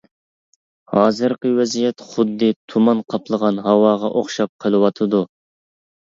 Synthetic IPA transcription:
hɑːzɨɾqəwɛzijɛt̪χʊd̪ːɨt̪ʰumɑnqʰɑpʰlˠəʁɑnɦɑwɑːʁɑʔoχʃɑp̚qʰəlˠɨwɑt̪ʰɨd̪u

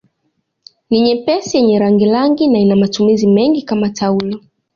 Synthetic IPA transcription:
niɲɛpɛsijɛɲɛɾaŋɡilaŋɡinainamatumizimɛŋɡikamatʰaulɔ

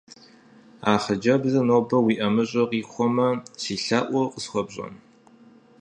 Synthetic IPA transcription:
aːχɐd͡ʒɐbzɐnoːbɐwiːʔɐmɨɕʼɐqiːxʷɔmɐsiːɬaːʔʷɔqəsχʷɔbɕʼɐ̰n

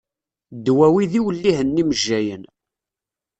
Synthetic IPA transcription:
d̪wæwiðiwəlːihənːiməʒːæjən

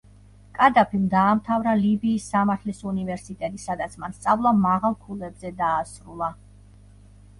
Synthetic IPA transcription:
kʼad̪apʰimd̪aːmt̪ʰavɾalibiːsːamaɾt̪ʰlisunivɛɾsit̪ʼɛt̪ʼisad̪at̪sʰmanst̪sʼavlˠamaʁalˠkʰulɛbzɛd̪aːsɾulˠa

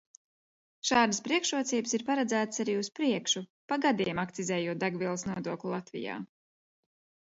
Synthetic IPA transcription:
ʃaːd̪əspɾiɛkʃuɔt̪siːbəsiɾpaɾad̪zæːt̪ə̥saɾiːuspɾiɛkʃupaɡad̪iɛmakt̪sizɛːjuːt̪̚d̪aɡviɛlˠsnuɔd̪uɔklʲulˠat̪vḭja̰ː

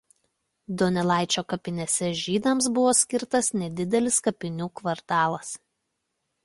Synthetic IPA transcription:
d̪oːnʲɛlˠɑˑɪt͡ʃʲoːkɐpʲɪnʲɛsʲɛʒʲiːd̪ɐms̬bʊʋoːsʲkʲɪɾt̪ɐsnʲɛd̪ʲɪd̪ʲɛlʲɪskɐpʲɪnʲuːkʋɐɾt̪ɑːlˠɐs

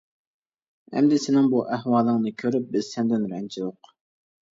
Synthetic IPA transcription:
ɛ̰md̪ɪsɪnɪŋbuʔæhwɑːlˠɨŋnɨkʲʰøɾyp̚bɪzsɛnd̪ɪnɾɛnt͡ʃʰijoq

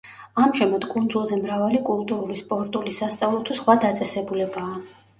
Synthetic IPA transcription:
amʒɛmat̪kʼund̪zulˠzɛmɾavalikʼulˠt̪ʼuɾulispʼɔɾt̪ʼulisast̪sʼavlˠɔt̪ʰusχwad̪at̪sʼɛsɛbulɛbaː

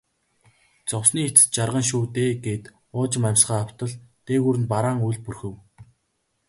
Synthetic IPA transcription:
t͡sɔwsniːet͡sɘ̥̆t͡ɕarʁə̆ŋʃ̬uːt̪eːɡeːt̪ | ʊːt͡ɕɪ̆mamʲsɢaːaw̥t̪ə̆ɮt̪eːɣuːɾɘ̆npaɾaːŋujɮpurxɘ̆w

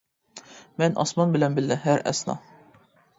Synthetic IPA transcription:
mænʔɒ̰smɑnbɪ̆lænbɘlːɘɦæɾæ̰snɑ̰

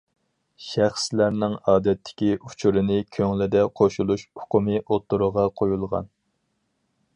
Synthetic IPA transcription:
ʃæχslæɾnɪŋɑːd̪ɛt̪ʰːɪ̥kʲiut͡ʃʰuɾɪnɪkʲʰøŋlɪd̪ɛqʰoʃulˠuʃhʊ̥qʊmɨʔot̪ːuɾʊʁɑqʰojulˠʁɑ̰n

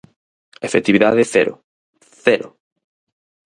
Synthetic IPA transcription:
efet̪iβiðaðeθɛɾʊ̰ | θɛɾʊ

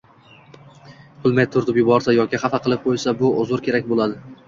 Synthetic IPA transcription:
bʊlˠmajt̪ʰʊɾt̪ɪpjʊbɒɾsajɒkʲɪχɑfaqʰɨlˠɪp̚qʰojsabʊʊzʊɾkʲʰe̞ɾakʲbolˠad̪ɪ

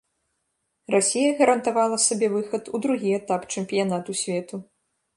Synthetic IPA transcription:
rasʲijɐɣɐɾɐnt̪avalˠɐsabʲɛvɨxɐt̪ud̪ɾuɣʲiɛt̪apt͡ʂɨmpʲijanat̪usʲvʲɛt̪u

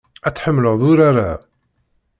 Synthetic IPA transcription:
æt͡sːħəmːləðˤʊɾaɾa

